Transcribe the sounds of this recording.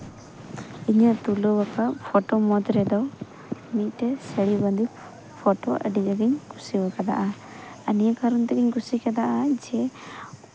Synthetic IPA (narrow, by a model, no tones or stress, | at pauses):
iɲat̪ulɔbakapʰɔʈɔmɔd̪ɾɛd̪ɔw | mit̪̚ˀʈɛsəɽiband̪i | pʰɔʈɔʔə̰ɖid͡ʒaɡiɲɡusibakad̪a̰ʔa | ənijakaɾɔnt̪ɛɡiɲɡusikɛd̪aʔad͡ʒɛ